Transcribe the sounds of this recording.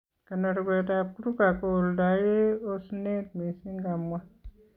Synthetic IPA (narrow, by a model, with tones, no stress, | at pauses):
ka˨na˨ɾɡe˨ta˨pu˦ɾu˦ka˨ko˦˨o˨lda˨je˦o˦sne˦t̚me˨si˦ŋɡa˨mː˦wa˦